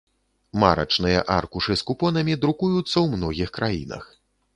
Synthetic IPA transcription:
ma̰ɾɐ̰t͡ʂnɨjɐ̰ʔarkuʂɨskupɔnɐmʲid̪ɾukujut̪sːɐwmnɔɣʲixkɾajḭnɐ̰x

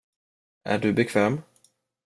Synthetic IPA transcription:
ʔæ̰ɖɵbɛkʰvɛːm

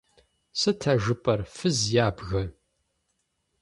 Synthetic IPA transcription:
sɨtʰɐʒɨpʼɐrfɨzjaːbɣɐ

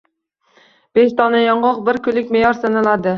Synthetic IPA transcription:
b̥eʃt̪ʰɒnɛjɒɴʁɑqbɪɾkʲʰylɪkʲmejɒɾsanalad̪ɪ

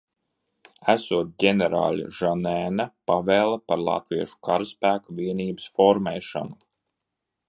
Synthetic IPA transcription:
æsuɔt̪̚ɟʲenɛɾa̰ːlʲḭʒanɛːnapavɛːlˠapaɾlˠa̰t̪viɛʃu̥kʰaɾaspæːkaviɛniːbɨsfɔɾmɛjʃa̰nu

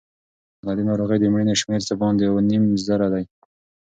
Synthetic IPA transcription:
lɑd̪enɑɾoɣəjd̪əmɽineʃmeɾsəbɑnd̪jawanimzaɾad̪aj

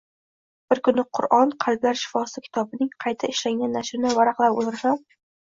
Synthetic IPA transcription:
b̥ɪɾkʰʊnːɪqʰʊɾʔɒnqʰɑlblaɾʃɪ̥fɒsɪkʲʰɪ̥t̪ʰɒbɪnɪŋqʰɑjt̪ʰaɪʃlaŋʲanːaʃɾɪnɪvaɾaqlˠapo̰zɾasam

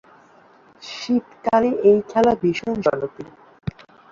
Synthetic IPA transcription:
ʃit̪kaɾeʔejkʰɛlabiʃond͡ʑɔnot̪i

